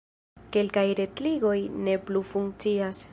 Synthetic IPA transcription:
ke̞lkajɾe̞tliɡo̞jne̞plufuŋkt͡sias

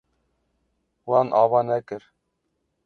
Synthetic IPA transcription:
wɑnʔɑvɑnækɘɾ

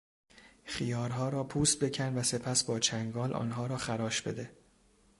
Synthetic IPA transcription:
χijɒːɾɦɒːɾɒːpʰuːst̪̚be̞cʰænvæse̞pʰæsbɒːt͡ʃʰæŋɡɒːlʔɒ̰ːnɦɒːɾɒːxæɾɒːʃbe̞d̪e

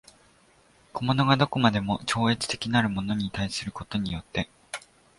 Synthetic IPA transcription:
kʰo̞mo̞no̞ɡad̪o̞ko̞mad̪e̞mo̞t͡ɕo̞ːe̞t͡sɨ̥t̪e̞kʲinaɾɯ̟mo̞no̞ɲ̟it̪aisɨɾɯ̟ko̞t̪o̞ɲ̟ijo̞t̪ːe̞

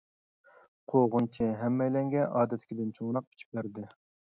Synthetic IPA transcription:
qʰoʁʊnt͡ʃʰɪɦɛmːɛjlɛŋɡʲɛʔɑːd̪ɛt̪ʰːɪ̥kʲid̪ɪnt͡ʃʰoŋɾɑq̚pʰi̥t͡ʃʰi̥p̚bæɾd̪ɪ

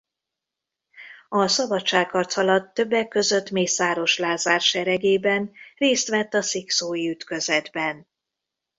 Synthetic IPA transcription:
ɒsɒbɒtt͡ʃːaːkkɒrt̪sɒlɒt̪ːø̞bːɛkːø̞zø̞t̪meːsaːɾo̞ʃlaːzaːrʃɛɾɛɡeːbɛnreːst̪ʋɛt̪ːɒsiksoːjiyt̪kø̞zɛd̪bɛn

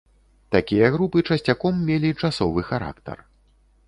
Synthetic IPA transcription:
t̪akʲijɐɣɾupɨt͡ʂɐsʲt͡sʲakɔmːʲelʲit͡ʂasɔvɨxaɾa̰kt̪ɐ̰r

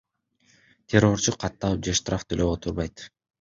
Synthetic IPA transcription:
t̪ʲʰero̞rt͡ʃuqʰɑt̪ːɑlˠɯp̚d͡ʒeʃt̪raft̪ʰøløot̪ʰuɾβɑjt̪

